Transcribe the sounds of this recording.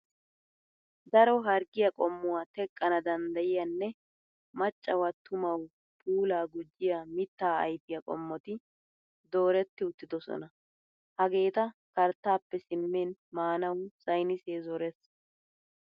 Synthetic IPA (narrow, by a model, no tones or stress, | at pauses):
d̪ɐɾɔɦɐɾɡɪjɐkʼɔmːʊwaːt̪ɛkʼːɐnɐd̪ɐnd̪ɐjɪjɐnːɛ | mɐt͡ʃʼːɐwɐt̪ːʊmɐw | pʰuːlaːɡʊd͡ʒːɪjamɪt̪ːaːɐ̰jt̪ɪjɐkʼɔ̰mːɔt̪ɪ | d̪o̞ːɾɛt̪ːɪʊt̪ːɪd̪ɔsɔ̰nɐ | hɐɡe̞ːt̪ɐkɐɾt̪ːaːpːɛsɪmːeːnmaːnɐwsɐjnɪse̞ːzɔɾɛs